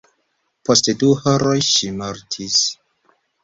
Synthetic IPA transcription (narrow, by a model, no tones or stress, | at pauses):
posteduhoɾojʃimoɾtʰis